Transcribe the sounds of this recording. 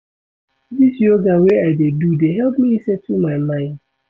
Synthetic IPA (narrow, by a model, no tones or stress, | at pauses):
disjoɡaweaɪdedudeɦɛlˠp̚miisɛtʰumaɪmãɪ̃nd̥